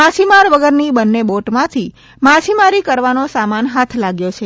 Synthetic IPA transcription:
ãt͡ʃʰimaɾʋəɡəɾnibənːeboʈmãt̪ʰi | mãt͡ʃʰimaɾikəɾʋanosamanɦat̪ʰlaɡjot͡ʃʰe

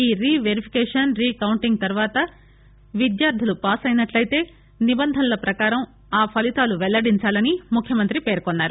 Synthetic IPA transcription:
iːɾiːʋeɾipʰi̥kɛːʂɐnɾiːkɐwuɳʈiŋɡt̪ɐɾʋaːt̪ɐ | ʋid̪jaːɾd̪ʱilupaːsɐjnɐʈlɐjt̪e̞ː | nibɐnd̪ʱɐnlɐpɾɐkaːɾɐm | aːpʰɐlit̪aːluʋɛlːɐɽiɲt͡ʃaːlɐnimukʰjɐmɐnt̪ɾipe̞ːɾkonːaːɾu

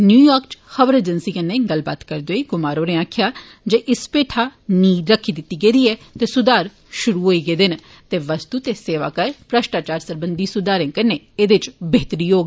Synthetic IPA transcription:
njuːjaːɾkt͡ʃxəʋəɾeːd͡ʒənsiːkənːeːɡəlbaːt̪kəɾd̪oeːɡʊmaːɾoːɾẽːaːkʰɪjaː | d͡ʒeːʔɪspeːʈʰaːniːɾəkʰːiːd̪ɪt̪ːiːɡeːd̪iːɛːt̪eːsʊd̪aːɾ | ʃʊɾuːɦoːiːɡeːd̪ɪn | t̪eːʋəst̪uːt̪eːseːʋa̰ːkəɾpɾəʃʈaːt͡ʃaːɾsəɾbənd̪iːsʊd̪aːɾẽːkənːeːeːd̪ɪt͡ʃbeːt̪əɾiːɦoːɡiː

